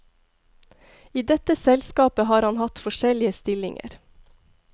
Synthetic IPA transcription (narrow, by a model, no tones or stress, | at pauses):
iːd̪ɛt̪əsɛlskɑːpəhɑːɾhɑnhɑt̪fɔʃɛlɪəst̪ɪlɪ̰ŋə̰ɾ